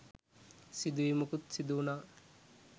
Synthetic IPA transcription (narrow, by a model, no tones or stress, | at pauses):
sid̪uʋimukut̪sid̪uːnaː